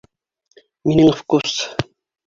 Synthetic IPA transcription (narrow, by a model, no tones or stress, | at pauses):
minɘŋfkus